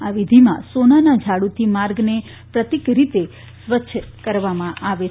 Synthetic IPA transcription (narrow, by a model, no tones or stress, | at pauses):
aʋid̪ʱimã̰sonanad͡ʒʱaɽut̪ʰimaɾɡne | pɾət̪ikɾit̪e | sʋətːʃʰkəɾʋamãʔaʋe